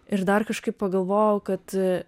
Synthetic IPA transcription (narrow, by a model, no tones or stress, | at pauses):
ɪɾd̪ɐrkɐʃkɐɪppɐɡɐlˠʋoːjɛʊkɐt̪